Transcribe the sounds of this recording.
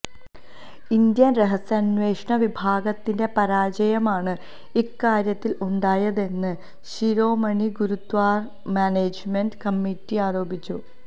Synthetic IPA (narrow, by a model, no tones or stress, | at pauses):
ind̪jɐnreɦɐsɐnʋe̞ːʂɳɐʋibʱaːɡɐt̪ːinde̞pɐɾaːd͡ʑɐjɐmaːɳɨ | ikːaːɾjɐt̪ːiluɳɖaːjɐðe̞nːɨ | ɕiɾo̞ːmɐɳiɡuɾud̪ʋaːr | maːneːd͡ʑmenɖkɐmːitːiaːɾo̞ːbit͡ɕːu